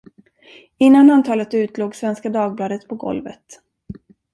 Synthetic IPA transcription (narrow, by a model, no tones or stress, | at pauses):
ɪnːanant̪ʰɑːlət̪ʉ̟ːt̪loːɡsvɛnskad̪ɑːɡ̚blɑːd̪ət̪pʰɔɡɔ̰lvə̰t̪